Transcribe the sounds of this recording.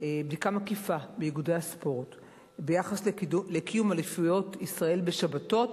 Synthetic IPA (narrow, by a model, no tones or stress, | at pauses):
bdikamakifabejiɡudejaspo̞ʁt | bejaχaslekijumalifujo̞tisʁae̞lbeʃabato̞t